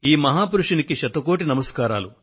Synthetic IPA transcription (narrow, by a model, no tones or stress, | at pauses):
iːmɐɦaːpuɾuʂunikiʃɐt̪ɐkoːʈ̬inɐmɐskaːɾaːlu